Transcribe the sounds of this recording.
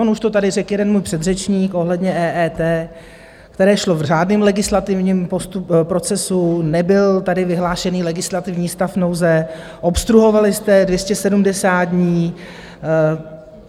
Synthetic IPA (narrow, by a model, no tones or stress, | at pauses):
onuʃt̪o̞t̪adɪrɛkjɛdɛnmuːjpr̝̥ɛd̪rɛt͡ʃɲiːkʔo̞ɦlɛdɲɛʔɛːʔɛːt̪ɛː | kt̪ɛɾɛːʃlo̞vr̝aːdnɪːmlɛɡɪslat̪ɪvɲiːmpost̪upɾo̞t͡sɛsunɛbɪlt̪adɪvɪɦlaːʃɛniːlɛɡɪslat̪ɪvɲiːst̪afnowzɛ | ʔo̞pst̪ɾuɦo̞valɪst̪ɛdvjɛscɛsɛdumdɛsaːd̪̚dɲiː